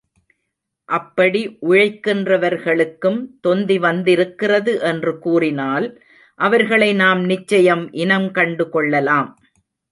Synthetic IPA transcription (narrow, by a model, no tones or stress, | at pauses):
ʔɐpːɐɽiʔʊɻɐɪkːɪndrɐʋɐɾɣɐɭɯkːɯmt̪ɔnd̪iʋɐnd̪ɪɾɯkːɪrɐðɯʔɛndrɯkuːrɪnaːl | ʔɐʋɐɾɣɐɭɐɪnaːmnɪt͡ʃːɐjɐmʔɪnɐmkɐɳɖɯkɔɭːɐlaːm